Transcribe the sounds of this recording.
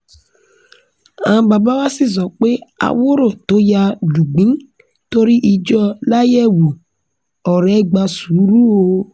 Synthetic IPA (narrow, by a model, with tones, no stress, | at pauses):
ã˨˦ba˨ba˦wa˦si˦˨zɔ˨k͡pe˦a̰˨wo˦ɾo˦˨to˨˦ja˧du˨ɡ͡bĩ˦ | to˦ɾi˦ʔi˧d͡ʒɔ˦la˦jɛ˦wu˨ | ɔ˨ɾɛ˨˦ɡ͡ba˧su˨˦ɾu˦o˧˦